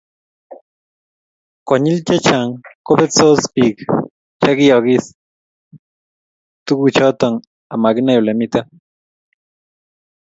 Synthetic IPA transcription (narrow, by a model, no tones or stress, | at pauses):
koɲilt͡ʃat͡ʃaŋkobet͡sospik | t͡ʃaɡioɡis | t̪ukut͡ʃot̪oŋ | amaɡinawlemit̪a